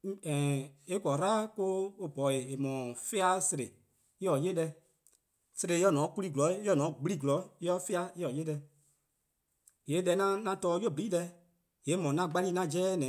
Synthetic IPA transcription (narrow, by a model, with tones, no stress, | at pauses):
ɛ̃˨e˦kɔ˨ɾaː˦ko˦o˧bɔ˨e˨e˨mɔ̃˨fe˦a˧˦se˧ɾe˨ | i˦ɔ˨je˦dɛ˧ | se˧ɾe˨˦ɔ˦nɔ̃˨˦ku˧li˦˨ɡu˨lɔ˨˦ɔ˦nɔ̃˨˦ɡ͡bi˦li˦ɡu˨lɔ˨˦jɔ˦fe˦a˧i˦ɔ˨je˦dɛ˧ | je˨˦lɛ˧˦ŋã˦nã˧tɔː˧˦jo˦˨bi˨iː˦dɛ˧˦ | je˨˦mɔ̃˨nã˧ɡ͡ba˧lĩ˦ŋã˧d͡ʒɛː˦nɛ̃˨˦